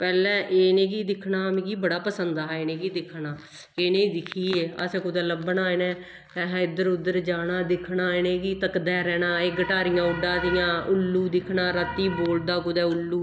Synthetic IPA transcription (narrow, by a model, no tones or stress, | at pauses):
pɛːlɛ̃ːʔeːnẽːkiːd̪ɪkʰnaːmĩːkiːbəɽaːpəsənd̪aːɦeːneːkiːd̪ɪkʰnaː | keːnẽːid̪ɪkʰiːeːə̰sɛ̃ːkʊd̪ɛːləbnaːenɛ̃ː | t̪ɛːɦɛ̃ːɪd̪əɾʊd̪əɾd͡ʒaːnaːd̪ɪkʰɳaːenẽːkiːt̪əkd̪ɛːɾɛːnaːeːɡəʈaːɾɪjãːʊɖaːd̪ijãːʊlːuːd̪ɪkʰnãːɾət̪ːiːboːld̪aːkʊd̪ɛːʊlːuː